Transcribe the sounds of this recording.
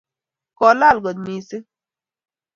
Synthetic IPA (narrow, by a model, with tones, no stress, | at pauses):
kɔ˨la˦˨lɡɔ˨d̪̚mi˨si˦